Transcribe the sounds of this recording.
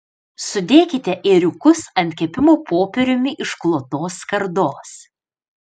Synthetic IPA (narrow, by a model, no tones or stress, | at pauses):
sʊd̪ʲeːkʲɪt̪ʲɛʔeɾʲʊkʊsɐnʲt̪ʲkʲɛpʲɪmoːpoːpʲɛɾʲʊmʲɪʔɪʃklˠoːt̪oːskɐɾd̪oːs